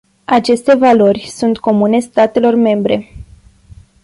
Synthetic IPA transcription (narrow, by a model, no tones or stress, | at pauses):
at͡ʃe̞st̪e̞valo̞rʲsunt̪ko̞mune̞st̪at̪e̞lo̞rme̞mbɾe̞